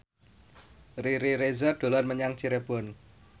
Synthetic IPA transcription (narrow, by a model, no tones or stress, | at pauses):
riɾiɾezarɖ̪̥o̤lanməɲaŋt͡ʃiɾeb̥ɔn